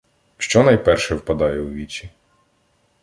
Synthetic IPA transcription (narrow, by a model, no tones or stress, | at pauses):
ʃt͡ʃɔnɐjpɛrʃɛwpɐd̪ɑjɛʊʋʲit͡ʃʲi